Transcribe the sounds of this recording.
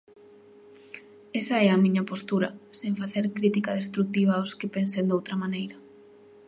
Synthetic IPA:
esɐɛɐmĩɲɐpost̪uɾɐ̰sẽɱfaθeɾkɾit̪ikɐðest̪ɾuk̚t̪iβ̞aoskɪpensend̪owt̪ɾɐmanejɾɐ

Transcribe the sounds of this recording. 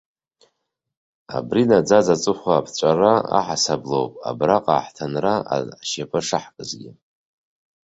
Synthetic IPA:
a̰brinad͡zazat͡sʼɨχʷaːpʰt͡ɕʷʼaraa̰ħasablo̰wpʼa̰braqʼa̰ːħtʰanraa̰ʕʃapʼɨʂɨħkʼɨzɡʲɪ

